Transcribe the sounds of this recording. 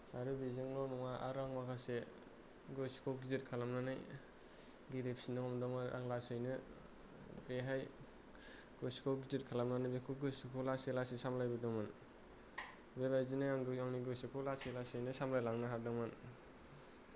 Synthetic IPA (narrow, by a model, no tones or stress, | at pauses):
aɾɯbizɯŋlɔnɔŋaʔa̰ɾaŋmakʰase | ɡɯsi̥kʰɔɡizit̚kʰalamnanɯj | ɡiɾep̚sinɯɔmdɔŋɯa̰ŋlasɯjnɯ | bɾeɦaj | ɡɯskʰɔɡizit̚kʰalamnanɯjbekʰɯɡɯsikʰɔlaselasisamlajbɯdɔŋmɯn | belajzinajaŋɡɯaŋniɡɯsikʰɔlaselasɯjnɯsamlajlaŋnɯɦaɾdɔŋmɯn